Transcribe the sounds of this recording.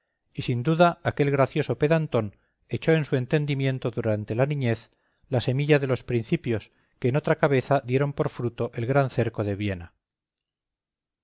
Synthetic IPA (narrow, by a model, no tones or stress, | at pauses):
isind̪uðaːke̞lɣɾaθjo̞so̞pe̞ðant̪o̞n | e̞t͡ʃo̞e̞nsue̞nt̪e̞nd̪imjẽ̞nt̪o̞ðuɾant̪e̞lanĩɲe̞θ | lase̞miʎaðe̞lo̞spɾinθipjo̞s | keːno̞t̪ɾakaβe̞θaðje̞ɾo̞mpo̞ɾfɾut̪o̞ʔe̞lɣɾanθe̞ɾko̞ðe̞βje̞na